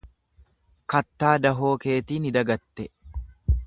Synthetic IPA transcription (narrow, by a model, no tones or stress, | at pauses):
kɐt̪ːaːd̪ɐɦo̞ːke̞ːt̪iːnɪd̪ɐɡɐt̪ːɛ